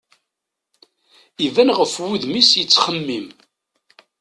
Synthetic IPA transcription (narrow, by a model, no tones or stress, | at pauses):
ivænʁəfwuðmisjət͡sːχəmːim